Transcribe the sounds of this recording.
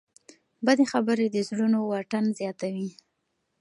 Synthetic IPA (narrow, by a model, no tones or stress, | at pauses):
bad̪exabəɾed̪əzɽunowaʈanzjɑt̪awi